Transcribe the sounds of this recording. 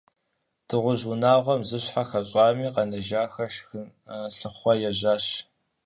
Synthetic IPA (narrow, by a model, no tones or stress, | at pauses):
d̥ɨʁʷʊʑʊnaːʁʷɔmzɨɕħaxɐɕʼɑːmiːqɐnɐʒaːxɐʃxɨɬɨχʷɔjɛʑaːɕ